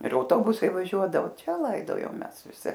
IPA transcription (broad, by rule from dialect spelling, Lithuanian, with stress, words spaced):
ɪr ɐʊˈtoːbʊsɐɪ ʋɐˈʒʲuɔdɐʋoː ˈt͡ʃʲɛ ˈlˠɐɪdoːjoːm ˈmʲɛs ʋʲɪˈsʲɪ